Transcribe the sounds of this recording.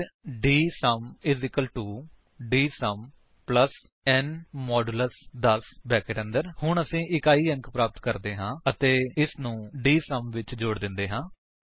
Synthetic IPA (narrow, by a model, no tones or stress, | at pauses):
ɖiːsəmɪzɪkəlʈuː | ɖiːsəm | pləs | ɛːnmɔːɖləsd̪əsbɛːkəːʈə̃nd̪əɾhʊɳəsĩːʔɪkaːiːə̃ŋkpɾaːpət̪kəɾd̪eːɦãːət̪eːɪsnũːɖiːsəmʋɪt͡ʃd͡ʒoːɽd̪ɪnd̪eːɦãː